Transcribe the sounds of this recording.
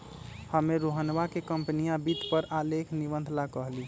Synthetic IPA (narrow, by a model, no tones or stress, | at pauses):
həmeɾoɦənʋakekəmpənijabit̪pəɾalekʰnibənd̪ʱlakəɦli